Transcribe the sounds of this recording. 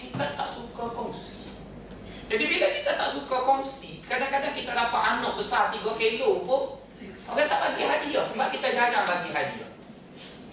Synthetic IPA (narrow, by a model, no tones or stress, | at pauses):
kit̪at̪aʔsukakɔŋsi̥ | d͡ʒadibilakit̪at̪aʔsukakɔŋsikɾadakadaŋkit̪adapaʔ̪anɔʔ̚bəsart̪iɡɔkelopʊn | ɔɡant̪aʔbaniɦadiɔsəbaʔ̚kit̪ad͡ʒanaŋbaɡiɦadiɔ̰